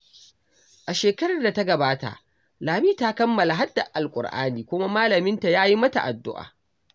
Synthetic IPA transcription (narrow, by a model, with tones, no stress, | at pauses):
ʔa˨ʃeː˨kɐ˦ɾɐ˨rda˨ta˦ɡɐ˨baː˦ta̰˨ʔ | laː˨miː˦ta˦kɐ˦mːɐ˨la˨ɦa˦dːa̰˨ʔʔa˨lkʷʼʊ̰˨rʔa̰ː˦niː˨kʷʊ˦ma˦maː˦lɐ˨mɪ˦nta˨jaː˦ji˦mɐ˦ta̰˨ʔa̰˨dːʊ̰˦ʔa̰ː˨